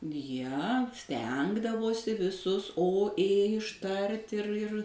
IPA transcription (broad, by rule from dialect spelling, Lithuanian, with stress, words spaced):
jiɛ ˈsʲtʲɛŋɡdɐʋoːsʲɪ ʋʲɪˈsʊs oː eː ɪʃˈtɐrt ɪr ɪr